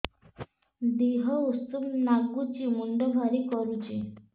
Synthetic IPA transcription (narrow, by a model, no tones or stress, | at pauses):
d̪iɦəust̪umnaɡut͡ɕimuɳɖəbʱaɾikəɾut͡ɕe